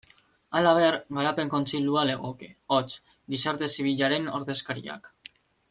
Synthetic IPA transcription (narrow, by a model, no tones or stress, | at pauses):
alaβ̞e̞ɾɡaɾape̞ŋko̞nt͡siʎuale̞ɣ̞o̞keot͡s | d̪isaɾt̪e̞siβ̞iʎaɾe̞no̞ɾðe̞skaɾḭa̰k